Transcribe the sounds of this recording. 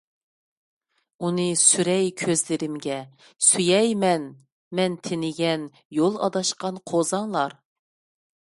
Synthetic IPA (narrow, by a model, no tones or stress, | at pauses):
unɨsyɾɛjkʲʰøzlɪɾɪmɡʲɛ | syjɛjmɛn | mɛnt̪ʰɪnɪɡʲɛn | jolˠɑ̰d̪ɑʃqɑnqʰozɑŋlˠɑɾ